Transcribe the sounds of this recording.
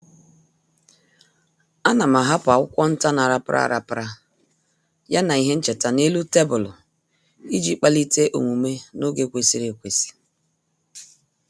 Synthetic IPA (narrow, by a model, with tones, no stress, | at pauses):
a˦na˨m˨a˨ɦa˦pa˨ʊ˦kʷɔ˦n̩˦ta˦na˨ɾa˨pɾʔa̰˦˨ɾa˨pɾa˦ | ja˦na˨i˦ɦe˦n̩˦t͡ʃe˨ta˨ne˦lu˦te˦bʊ˨lʊ˨ | i˦d͡ʒi˦k͡pa˦li˦te˦ʔo̰˨ŋʷu˨me˦no˦ɡe˦˨kʷe˨si˦ɾe˨kʷe˨si̥˦